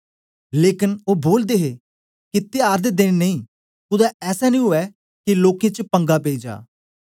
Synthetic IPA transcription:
leːkɪnoːboːld̪eːɦeː | kɪt̪eaːɾd̪eːd̪ɪnnəĩː | kʊd̪aːɛːsɛːnĩːɦʊɛː | kiloːkẽːt͡ʃpə̃ŋɡaːpeːid͡ʒa̰ː

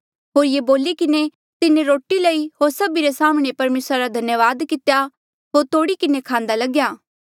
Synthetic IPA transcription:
ɦoːɾjeboːlikɪne | t̪ɪnẽɾoːʈiləiɦoːɾsɐbiɾesaːmɽ̃epɐɾmeːsɾaɾad̪ʱɐnjəʋaːd̪kɪt̪ja | ɦoːɾt̪oːɽikɪnekʰãːnd̪alɐɡjaː

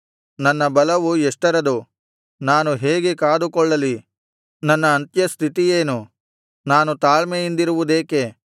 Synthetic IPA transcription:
nɐnːɐbɐlɐʋuɛʂʈɐɾɐd̪u | naːnuɦeːɡekaːd̪ukɔɭːɐli | nɐnːɐːnt̪jɐst̪ʰit̪ijeːnu | naːnut̪aːɭmejind̪iɾuʋud̪eːke

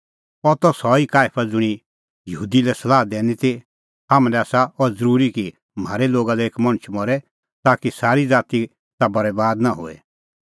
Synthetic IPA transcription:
ɔt̪ɔsɔikaːpʰad͡zʊɽ̃i | jɐɦuːd̪ilɛsɐlaːɦd̪eːnit̪i | ɦamlɛaːsaɔɾd͡zəɾuːɾiki | m̤aːɾeloːɡalɛeːkmɐ̃ñət͡ʃʰmɔɾɛ | t̪aːkisaːɾid͡zaːt̪i | t̪abɐɾɛbaːd̪naɦʊ̰ɛ̰

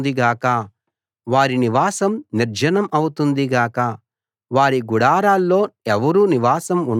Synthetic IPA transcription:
d̪iɡaːkɐ | ʋaːɾiniʋaːsɐmniɾd͡ʒɐnɐmɐwut̪und̪iɡaːkɐ | ʋaːɾiɡuɽaːɾaːlːo̞ːɛʋɐɾuːniʋaːsɐmuɳ

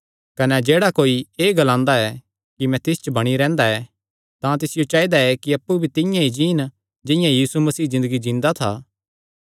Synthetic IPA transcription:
kɐnɛd͡ʒeːɽakoːieːɡɐlãːnd̪aɛ | kimɛ̃t̪ɪst͡ʃəbɐɽ̃iɾɛ̃ːnd̪aɛ | t̪ãt̪ɪsɪjot͡ʃaːid̪aɛkiɐpːubʱit̪ɪ̃jãid͡ʒiːn | d͡ʒɪ̃jãjiːsumɐsiːzɪ̃nd̪əɡid͡ʒɪ̃ːnd̪at̪ʰa̰ː

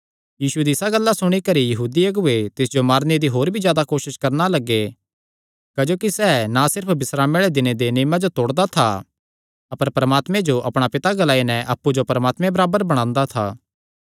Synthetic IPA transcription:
jiːsud̪iɪsaɡɐlːasʊɽ̃ikɐɾijɐɦuːd̪iɐɡʊet̪ɪsd͡ʒomaːɾned̪iɦoːɾbʱid͡ʒjaːd̪akoːʃɪʃkɐɾnalɐɡːe | kɐd͡ʒoːkisɛːnasɪɾpʰbɪsɾaːmeːɭed̪ɪned̪eniːmãd͡ʒot̪oːɽd̪at̪ʰa | ɐpəɾpɐɾəmaːt̪mẽd͡ʒoʔɐpɽ̃apɪt̪aɡɐlaːinɛ̃ʔɐpːud͡ʒopɐɾəmaːt̪mẽbɐɾaːbəɾbɐɽ̃ãːnd̪at̪ʰa̰ː

